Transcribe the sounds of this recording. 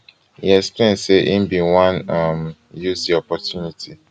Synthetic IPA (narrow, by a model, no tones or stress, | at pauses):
jḭɛksplẽnseʔĩmbĩwãnam | jusdiɔpɔtjuniti